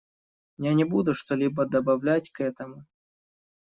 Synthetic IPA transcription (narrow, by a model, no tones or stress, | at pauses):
janʲɪbud̪ʊʂt̪olʲibəd̪əbɐvlʲætʲkɛt̪əmʊ